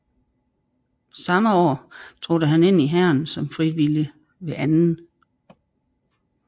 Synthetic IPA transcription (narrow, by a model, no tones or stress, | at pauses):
sɑ̈məɒ̰ːt͡sʰʁod̥əɦæne̝n̰iɦæɐ̰nsɒ̽mfʁiʋiljə | ʋe̝ʔænn̩